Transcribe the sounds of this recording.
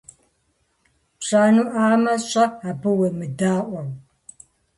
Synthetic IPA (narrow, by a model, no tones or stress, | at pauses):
ɕaːnuːʔaːmɐɕʼɐaːbɨwɐmɨdaːʔʷɐw